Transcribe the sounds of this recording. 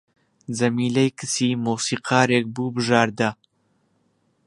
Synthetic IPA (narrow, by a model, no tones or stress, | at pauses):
zɐmiːlɐjkɨsiːmuːsiːqʰɑːɾeːk̚buːbɨʒaːɾd̪ɐ